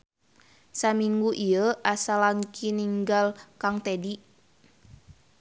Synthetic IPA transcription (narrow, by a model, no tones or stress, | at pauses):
samiŋɡuʔijəʔasalankiniŋɡalkaŋt̪edi